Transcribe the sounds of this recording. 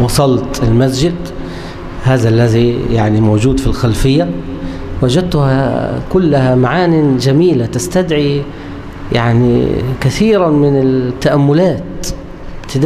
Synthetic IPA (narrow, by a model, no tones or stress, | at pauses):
wɑsˤɑlt̪ɪlmas̬d͡ʒɪd̪ | haːðaʔalːaðijaʕnimoːd͡ʒuːd̪filxalfɪjːa | wad͡ʒad̪̚t̪ʊha̰kʊlːahamaʕaːnid͡ʒamiːlat̪ast̪ad̪ʕi | jaʕnḭkaθiːɾamɪnɪt̪ːaʔamːʊlaːt̪ | bt̪ɪd̪